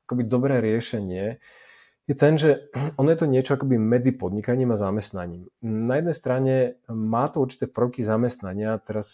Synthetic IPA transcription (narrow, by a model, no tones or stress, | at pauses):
akɔbid̪ɔbɾɛːɾɪɛʃɛɲɪɛ | jɛt̪ɛnʒɛɔnɔjɛt̪ɔɲɪɛt͡ʃɔakɔbimɛd͡zipɔd̪ɲikaɲiːmazamɛst̪na̰ɲiːmnajɛd̪nɛjst̪ɾaɲɛmaːt̪ɔuɾt͡ʃi̥t̪ɛːpr̩ʊkizamɛst̪naɲɪat̪ɛɾas